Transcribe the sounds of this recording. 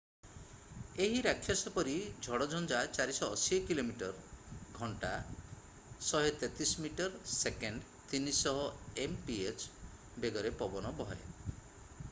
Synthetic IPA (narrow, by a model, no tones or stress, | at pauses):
eɦiɾakʰːjasɔpɔɾid͡ʒʱɔɽɔd͡ʒʱɔnd͡ʒat͡ʃaɾisɔːsiɔkilomiʈɔɾɡʱɔɳʈa | sɔɦet̪et̪ismiʈɔɾsekeɳɖ | t̪inisɔɦɔempiet͡ʃ | beɡɔɾepɔbɔnɔbɔɦḛ